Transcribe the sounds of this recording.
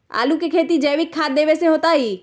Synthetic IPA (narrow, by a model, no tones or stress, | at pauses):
a̰ːlukekʰeːt̪id͡ʒɛːʋɪkʰːaːd̪eːʋeseɦoːt̪aɦiː